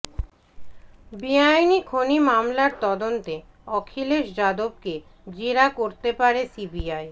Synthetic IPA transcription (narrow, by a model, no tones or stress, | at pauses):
biajnikʰonimamlaɾt̪ɔd̪ont̪e | ɔkʰileʃd͡ʑad̪ob̚ke | d͡ʑeɾakoɾt̪epaɾesibiaj